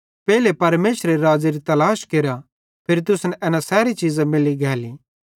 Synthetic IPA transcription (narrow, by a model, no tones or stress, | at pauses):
pɛːlepɐɾmeːsɾeɾɾaːd͡ʒiɾit̪ɐlaːʃkeːɾa | pʰɪɾt̪ʊsnɛʔɛːnasɛːɾit͡ʃiːzamɪliɡʱɛːli